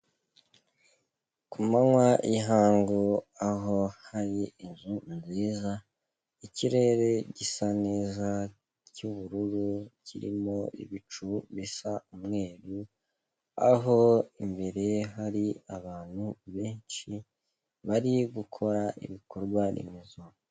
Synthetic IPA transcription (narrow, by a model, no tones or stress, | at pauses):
kumaŋwaʔiɦaːŋɡoaɦo̞haɾiːnzunziːza | iciɾe̞ɾe̞ɟisane̞ːza | cuβuɾuɾuciɾḭmo̞ḭβit͡ʃuβisaumŋe̞ːɾu | a̰ɦo̞imbe̞ɾe̞ɦaɾiaβaːn̥huβe̞ːnt͡ʃi | βaɾiɡukʰo̞ɾaʔḭβiko̞ɾɡwanʔḭmizu